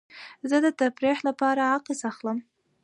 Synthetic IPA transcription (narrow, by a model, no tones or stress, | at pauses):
zəd̪ət̪apɾexlapɑɾaaqesaxləm